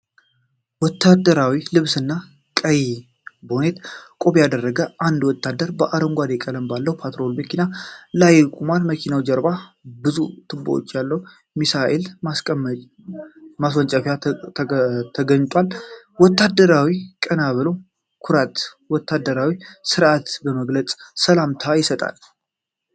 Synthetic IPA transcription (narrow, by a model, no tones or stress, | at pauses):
wɔt̪ʰːad̪əɾawilɨβsɨnːa | kʼəj | bone̞t̪kʼo̞βjad̪ərːəɡəʔand̪wɔt̪ːad̪əɾbəʔaɾəmɡʷad̪ekʼələmbalːəwpʰat̪ɾo̞lməkʰinalajɛkʼumalməkʰinawd͡ʒɛɾbabɨzut̪ʰɨbːo̰o̰t͡ʃːjalːəwu | misaʔelmas | maswɔnt͡ʃʼəfja | t̪ʰəɡəɲːt̪ʼwal | wɔt̪ːad̪ːəɾawikʼənaβɨlo̞ | kʰʊɾat̪ | wɔt̪ːad̪ːəɾawisɨɾʔat̪bəməɡlət͡sʼsəlamt̪ʰajɪsət̪ʼa̰l